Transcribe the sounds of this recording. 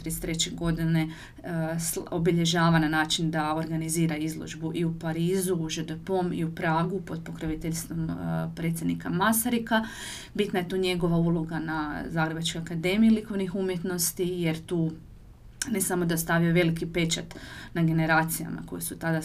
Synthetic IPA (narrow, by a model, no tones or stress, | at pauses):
t̪ɾest̪ɾe̞t͡ɕeɡo̞d̪ine̞ | sobiʎe̞ʒaːʋananaːt͡ʃind̪ao̞ɾɡaniziːɾaizlˠo̰ʒbuʔiupaɾiːzuːʒed̪epoːmḭupɾaːɡupo̞d̪̚po̞kɾiʋit̪eʎst̪ʋo̞mpɾe̞t̪sʲjed̪nikamasaɾika | bit̪naje̞t̪oːɲe̞ɡo̞ʋauːlˠo̞ɡanazaːɡɾe̞bat͡ʃko̞jakad̪emijiliko̞ʋnixumjet̪no̞st̪ije̞ɾt̪uː | nesamo̞d̪ast̪aʋijoʋe̞likipe̞t͡ʃat̪naɡe̞ne̞ɾaːt̪sija̰ma̰ko̞̰jesut̪ad̪a